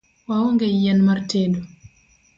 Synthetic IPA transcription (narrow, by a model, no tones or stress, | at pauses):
wawɔŋɡɛjanmaɾteːdu